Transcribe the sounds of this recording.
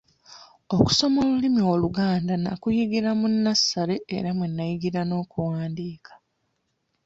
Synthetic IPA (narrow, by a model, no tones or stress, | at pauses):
o̞ku̥so̞mo̞ːlulimio̞luɡaːndana̰kujiɡiɾamunːasːaɾe̞ːɾamwenːajiɡiɾano̞ːkuwaːndiːkʰḁ